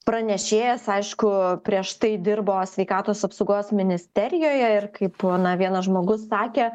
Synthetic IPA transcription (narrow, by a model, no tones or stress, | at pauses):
pɾɐnʲɛʃʲeːjɛsɐɪʃkʊpʲɾʲiɛʃt̪ɐɪd̪ʲɪrboːsʲʋʲɛɪkɑːt̪oːsɐpsɐʊɡoːsmʲɪnʲɪsʲt̪ʲɛɾʲɪjoːjɛɪrkɐɪponɐʋʲiɛnɐʒmoːɡʊsːɑːkʲeː